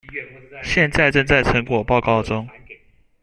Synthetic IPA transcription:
ɕjɛ˥˧nt͡sa˥˧ɪʈ͡ʂɤ˥˧ŋt͡sa˥˩ɪʈ͡ʂʰɤ˧˥ŋkwɔ˨˩pɑ˥˧ʊkɑ˥˩ʊʈ͡ʂʊ˥ŋ

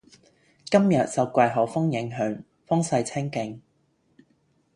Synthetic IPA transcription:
kɐ˥mjɐ˨t̚t͡sɐ˨wkʷwɐ˧jɦɔː˨˥wfʊ˥ŋjɪ˨˥ŋɦœː˨˥ŋ | fʊ˥ŋsɐ˧jt͡sʰɪ˥ŋkɪ˧ŋ

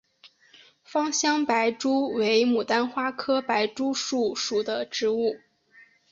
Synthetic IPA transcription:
fɑ˥ŋɕjɑ˥ŋpa˧˥ɪʈ͡ʂu˥we˧˥ɪmu˨˩t̪a˥nxwa˥kʰɤ˥pa˧˥ɪʈ͡ʂu˥ʂu˥˩ʂu˨˩d̪ə˦ʈ͡ʂɻ̩˧˥u˥˩

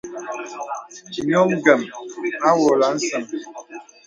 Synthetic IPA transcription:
mjɔ˦ɡɛ˨ma˦wɔ˨la˨˦n̩˦sə˨m

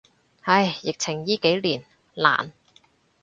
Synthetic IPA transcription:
hɐ˧jːɪ˨k̚t͡sʰɪ˨˩ŋjiː˥ke˨˥jliː˨˩n | la̰ː˨˩n

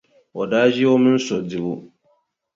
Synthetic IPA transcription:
ɔ˨daː˦d͡ʒi˦ɔ˦mɪ̃˦n̩˦sɔ˨di˨bʊ˦

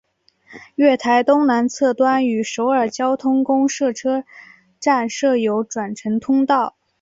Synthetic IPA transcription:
ɥɛ˥˩t̪ʰa˧˥ɪt̪ʊ˥ŋna˧˥nt͡sʰɤ˥˩t̪wa˥ny˨˩ʂo˧˥ʊə˞˨˩t͡ɕjɑ˥ʊt̪ʰʊ˥ŋkʊ˥ŋʂɤ˥˩ʈ͡ʂʰɤ˥ | ʈ͡ʂa˥˧nʂɤ˥˩jo˧˥ʊʈ͡ʂwa˨˩nʈ͡ʂʰɤ˧˥ŋt̪ʰʊ˥ŋt̪ɑ˥˩ʊ

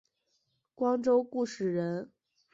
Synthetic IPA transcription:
kwɑ˥ŋʈ͡ʂo˥ʊku˥˩ʂɻ̩˥˨˩ɻə˧˥n

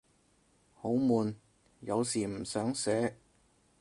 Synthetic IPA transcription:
ho˨˥wmuː˨˧n | jɐ˨˧wsiː˨˩m̩˨˩sœː˨˥ŋsɛː˨˥

